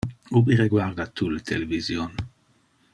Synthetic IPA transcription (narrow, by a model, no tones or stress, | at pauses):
ubiɾeɡwaʁd̪at̪ʰːulet̪ʰelevizjon